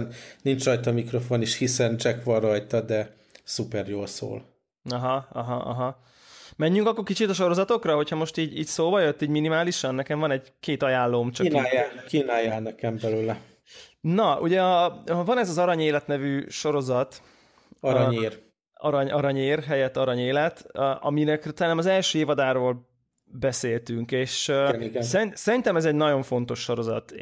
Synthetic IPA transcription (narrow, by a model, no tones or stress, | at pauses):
nnint͡ʃrɒjt̪ɒmikɾo̞foniʃhisɛnt͡ʃɛkʋɒrrɒjt̪ɒd̪ɛ | supɛrjoːlso̰ːl | ɒɦɒɒɦɒʔɒ̰ɦɒ | mɛɲːyŋkɒkːo̞rkit͡ʃit̪ɒʃo̞ɾo̞zɒt̪o̞krɒɦo̞cʰhɒmo̞ʃt̪iːɟiːcsoːbɒjø̞t̪ːiːɟminimaːliʃɒnːɛkɛɱvɒnɛɟkeːt̪ɒjaːlːoːmt͡ʃɒiajakːiːnaːjːalnɛkɛmbɛløːlɛ | nɒʔṵɟɛvɒnɛzɒzɒɾɒɲeːlɛt̪nɛvyːʃo̞ɾo̞zɒt̪ | ɒɾɒɲeːr | ɒɾɒɲɒɾɒɲeːrɦɛjɛt̪ːɒɾɒɲeːlɛt̪ʔɒ̰minɛkt̪ɒlanɛmɒzɛlʃøːeːvɒd̪aːɾoːl | bɛseːlt̪yŋkeːʃiɡsɛisɛɾint̪ɛmɛzɛɟnɒɟo̞ɱfo̞n̪t̪o̞ʃːo̞ɾo̞zɒ̰t̪